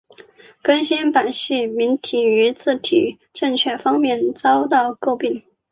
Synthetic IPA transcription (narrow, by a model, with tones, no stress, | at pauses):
kə˥nɕi˥npa˨˩nɕi˥˩mi˧˥nt̪ʰi˨˩y˧˥t͡sʰɹ̩˥˩t̪ʰḭ˨˩ | ʈ͡ʂɤ˥˧ŋt͡ɕʰɥɛ˥˩fɑ˥ŋmjɛ˥˩nt͡sɑ˥ʊt̪ɑ˥˧ʊko˥˧ʊpi˥˩ŋ